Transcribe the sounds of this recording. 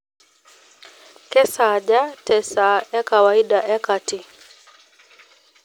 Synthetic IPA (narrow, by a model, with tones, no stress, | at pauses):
kɛ˦saʄa˦tɛsa˨a˦kawai˦ɗaʔɛ˦ka˨ti˨